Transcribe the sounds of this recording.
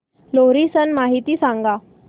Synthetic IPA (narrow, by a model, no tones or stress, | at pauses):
loɾisənmaɦit̪iːsãŋɡa